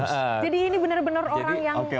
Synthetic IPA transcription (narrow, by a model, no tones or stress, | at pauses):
əʔəd͡ʒadiːnibənərbənəroɾaŋjaoke